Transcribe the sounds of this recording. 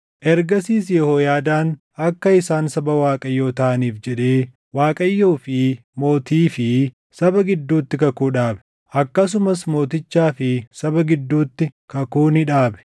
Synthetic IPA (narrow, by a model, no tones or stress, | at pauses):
ʔɛɾɡɐsiːsjɛhoːjaːd̪aːn | ɐkːɐɪsaːnsɐbɐwaːkʼɐjːo̞ːt̪ɐʔɐniːfd͡ʒɛᶑe̞ː | waːkʼɐjːoːfɪ | mo̞ːt̪iːfɪ | sɐbɐɡɪd̪ːuːt̪ːɪkɐkuːᶑaːbɛ̥ | ʔɐkːɐs̬ʊmɐsmo̞ːt̪ɪt͡ʃːaːfɪsɐbɐɡɪd̪ːuːt̪ːɪkɐkuːnɪᶑaːbɛ̥